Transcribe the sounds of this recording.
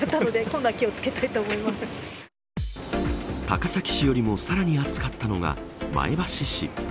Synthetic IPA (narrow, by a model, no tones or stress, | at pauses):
at̪ːano̞d̪e̞ko̞nːakʲio̞t͡sɨ̥ke̞t̪ait̪o̞ːmo̞imasɨ̥ | t̪a̰kasakʲi̥ɕijo̞ɾʲimo̞saɾaɲ̟iat͡sɨ̥kat̪ːano̞ɡa̰ma̰ebaɕiɕḭ